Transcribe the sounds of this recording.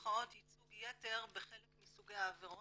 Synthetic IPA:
χaothit͡suɡjeteʁbeχelekmisuɡejaːveʁo

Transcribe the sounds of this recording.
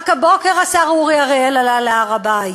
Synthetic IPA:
kabokeʁasaʁuʁiaʁeelalalaaʁabaj

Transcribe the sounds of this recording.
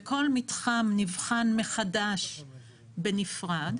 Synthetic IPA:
ko̞lmitχamnivχanmeχadaʃ | benifʁad

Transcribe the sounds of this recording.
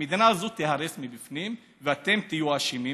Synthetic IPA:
id̪inaːzot̪ehaɾesmibifnim | veat̪e̞mt̪ijuaʃimi

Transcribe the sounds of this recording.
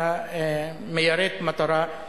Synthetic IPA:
a | mejaɾet̪mat̪ɔɾa

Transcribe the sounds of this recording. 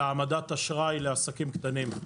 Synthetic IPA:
amad̪at̪aʃʁajleasakimkt̪anim

